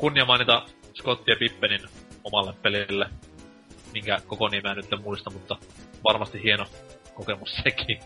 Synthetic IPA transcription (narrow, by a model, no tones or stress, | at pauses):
kunːiɑmɑinit̪ɑ | skot̪ːiɑpipːeninomɑlːeppelilːe | miŋkækokoniemænyt̪ːemmuist̪ɑmut̪ːɑʋɑrmɑst̪ihhieno | kokemusseki